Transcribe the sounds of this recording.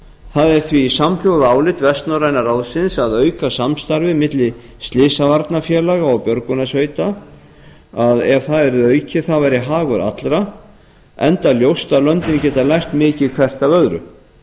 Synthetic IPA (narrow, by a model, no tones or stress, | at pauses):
θaðɛɾ̥θviːsaml̥jowðaaːwlɪt̪vɛst̪nawɾajnaɾawðsɪnsaðœːɥkasamst̪aɾvɪmɪt̪lɪ | st̪lɪːsavaɾt̪nafjɛːlaɣaɔɣpjœɾkʏnasveːɥt̪a | aðɛv̥θaðɛɾðœːɥcɪθavajɾɪɦaːɣʏɾa̰t̪lɾa | ɛnt̪aljowst̪alœnt̪ɪncɛːt̪alajxt̪mɪːcɪðkʰv̥ɛr̥t̪avœɣɾʏ̰